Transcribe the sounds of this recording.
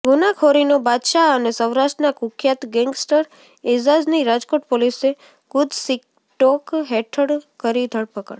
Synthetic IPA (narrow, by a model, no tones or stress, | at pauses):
ɡunakʰoɾinobad̪ʃaənesəwɾaʃʈnakukʰjat̪ɡɛŋɡsʈəɾ | ezad͡ʒniɾad͡ʒkoʈpolise | ɡ̥ʊd̪ʱsik̚ | ʈokɦɛʈʰəɽkəɾid̪ʱəɭpəkəɽ